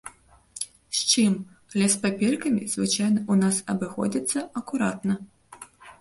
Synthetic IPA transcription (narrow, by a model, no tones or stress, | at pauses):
ɕʲt͡ʃim | alʲɛspapʲɛrkɐmʲḭzvɨt͡ʃajnɐʔunasɐbɨxɔ̰d͡zʲit̪sːɐɐkuɾa̰t̪nɐ